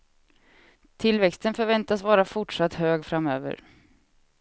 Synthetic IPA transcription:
t̪ʰɪlːvɛkst̪ənfœɾvɛnt̪asvɑːɾafʊʈʂat̪ːhøːɡfɾamøːvə̰ɾ

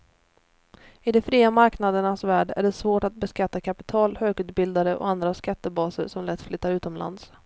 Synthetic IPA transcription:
ɪd̪ɛfɾiːamaɾknad̪əɳasvæːɖæ̰ɖɛsvoːʈat̪̚bɛskat̪ːakʰapɪ̥t̪ʰɑːlhøːɡʉ̟ːt̪̚bɪld̪aɾəʔɔ̰and̪ɾaskat̪ːəbɑːsəɾʂɔmlɛt̪ːflʏt̪ːaɾʉ̟ːt̪ɔmlʔa̰nd̪s

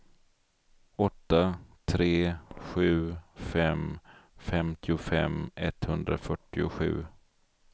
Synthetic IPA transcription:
ɔt̪ːat̪ʰɾeːɧʉ̟ːfɛmfɛmt̪ʰɪʊfɛ̰mɛt̪hɵnd̪ɾafœʈːɪʊɧʉ̟̰ː

